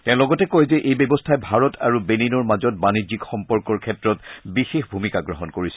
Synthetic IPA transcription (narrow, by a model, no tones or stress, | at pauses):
tɛ̃ʊ̃lɔɡɔtɛkojzɛʔejbebɔstʰajbʱaɹɔta̰ɹubeninɔɹmazɔt̚banizikxɔmpɔɹkɔɹkʰɛtɹɔtbixexbʱumikaɡɹɔɦɔnkoɹisɛ̥